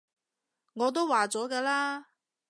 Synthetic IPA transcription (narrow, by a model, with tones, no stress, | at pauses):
ŋɔː˨˧t̪o˥wwaː˨t͡sɔː˨˥kɛː˧laː˥